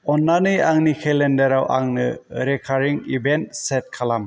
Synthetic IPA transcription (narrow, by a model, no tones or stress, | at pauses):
ɔnːanɯjaŋnikʰɛlɛndɛɾawʔa̰ŋnɯ̰ɾɛkʰaɾiŋibɛntsɛt̚kʰalam